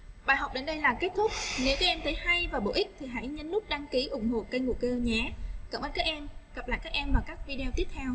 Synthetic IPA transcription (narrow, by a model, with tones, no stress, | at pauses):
ɓaː˨˩jɦɔ˨˩wk͡p̚ɗe˧˩nɗə˧jlaː˨˩ke˦˥t̚t̪ʰʊ˦˥k͡p̚ne˨˦wkaː˨˦jʔɛ˧mt̪ʰə˨˦jha˧jvaː˨˩ɓo̰˧˩ʔï˦˥k̟̚t̪ʰi˨˩ɦa̰˧˥jɲə˨˦nlʊ˦˥k͡p̚ɗaː˧ŋki˨˦ʔʊ˨˧˩ŋ͡mɦo̰˧˨kə˧jŋṵ˧˨˩kəː˧ɲɛ˨˩˦kə˨˩mʔəː˧nkaː˦˥k̚ʔɛ˧mɣə˨˩p̚l̰ːkaː˦˥k̚ʔɛ˧mvaː˨˩kaː˦˥k̚vi˧ɗe˧wt̪i˦˥əp̚t̪ʰɛ˧w